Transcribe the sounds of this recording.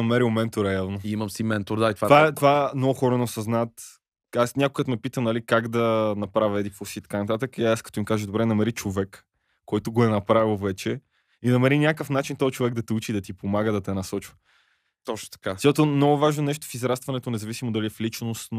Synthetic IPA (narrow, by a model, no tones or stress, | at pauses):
ɐmɛɾilmɛnt̪oɾɛɛlˠnoimɐmsimɛnt̪oɾd̪ait̪vavaɛt̪ovaɛmnɔɡʊxɔɾənɛosɐznaət̪ | asnʲakokɡət̪mɛpit̪əmnɐlikaɡd̪ɐnɐpɾavʲɐɛd̪ifosiːt̪ɐ̥kanɐt̪̬at̪əkiaskɐ̥t̪ɔimkaʒəd̪obɾɛnɐmɛɾit͡ʃovɛkː | ɔjt̪oɡoɛnɐpɾavilˠvɛt͡ʃɛ | inɐmɛɾinʲakəfnat͡ʃint̪ɔt͡ʃovɛɡ̚d̪ɐt̪ɛut͡ʃid̪ɐt̪ipomaɡəd̪ɐt̪ɛnɐsɔt͡ʃvɐ | t̪ɔt͡ʃno̥t̪ɐ̥kazat̪omnɔɡʊvaʒnonɛʃt̪o̥fizɾast̪vɐnɛt̪onɛzɐvisimod̪ɐliɛflit͡ʃnost̪n